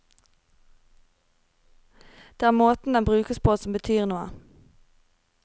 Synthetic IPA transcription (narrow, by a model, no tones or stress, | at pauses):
d̪̥eːæːʁmoːt̪n̩d̪ɛnbʁʉːkəspʰoːsɔmbət̪ʰyːʁnuːə̰